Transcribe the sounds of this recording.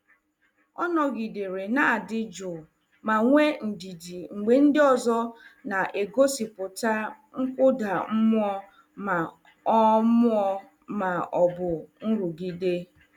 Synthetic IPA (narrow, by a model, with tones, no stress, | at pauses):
ɔ̰˦nɔ˨ɡi˨de˨ɾe˨na˦a˨dɪ˦d͡ʒʊ˨ | ma˨ŋʷe˦n̩˨di˨di˨ŋ͡m̩˨ɡ͡be˨n̩˦dɪ˦ɔ˨zɔ˦na˨ʔe˨ɡo˦si˨pʊ˨ta˦ | ŋ̩˦kʷʊ˦da˨m̩˦mʊ˦ɔ˦ | ma˨ | ɔ˦mʊ˦ɔ˦ | ma˨ɔ˨bʊ˨n̩˦ɾu˨ɡi˨de˦